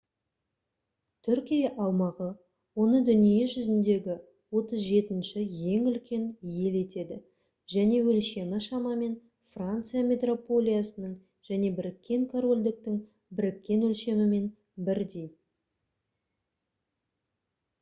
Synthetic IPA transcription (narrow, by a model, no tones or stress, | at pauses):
t̪ʰʏɾkʲijɑʔɑwmɑʁə | wo̞nəd̪ʏnijeʒʏzɪnd̪e̞ɡʲɪ | wo̞t̪əzʒe̞t̪ɪnʃɪje̞ŋʏlkʲe̞nje̞le̞t̪e̞d̪ɪ | ʒ̥æne̞wɵlʃe̞mɪʃɑmɑme̞n | frant̪sɨjamʲe̞t̪ro̞po̞lʲijasənəɴ | ʒ̥æne̞bɪɾɪkʲːe̞ŋkʰoɾo̞lʲd̪ɪk̚t̪ɪŋ | bɪɾɪkʲːe̞nwɵlʃe̞mɪme̞n | bɪɾd̪e̞j